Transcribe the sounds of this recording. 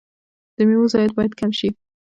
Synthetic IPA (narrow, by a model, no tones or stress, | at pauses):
d̪̥əmiwʊzɑjat̪̚bɑjad̪kamʃi